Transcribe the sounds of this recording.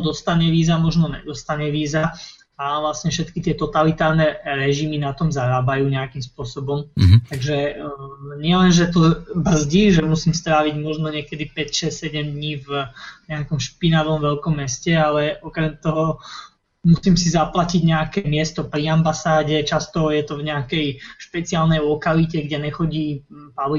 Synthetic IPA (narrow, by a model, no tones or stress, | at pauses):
d̪ɔst̪aɲɛʋiːzamɔʒnɔɲɛ̰d̪ɔst̪aɲɛʋiːza | aʋlasɲɛfʃɛt̪kit̪ɪɛt̪ɔt̪alit̪aːɾnɛɾɛʒiminat̪ɔmzaɾaːbajuːɲɛakimspʊɔsɔbɔmt̪aɡʒɛ | ɲɪɛlɛnʒɛt̪ɔbr̩zɟiʒɛmusiːmst̪ɾaːʋiɟmɔʒnɔɲɪɛkɛd̪ipɛcʃɛssɛɟɛmd̪ɲiːvɲɛakɔmʃpinaʋɔmʋɛlkɔmːɛscɛalɛɔkɾɛmt̪ɔɦɔ | musiːmsizaplaciɟɲɛakɛmɪɛst̪ɔpɾiambasaːɟɛt͡ʃast̪ɔjɛt̪ɔvɲɛakɛjʃpɛt͡siaːlnɛjlɔkalicɛɡɟɛɲɛxɔɟiːpali